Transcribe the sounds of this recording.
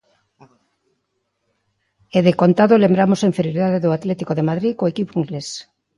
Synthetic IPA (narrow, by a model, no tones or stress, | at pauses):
eðekont̪aðolembɾamoseɱfeɾjoɾiðaðeðoat̪let̪ikoðemaðɾikoekipoiŋɡles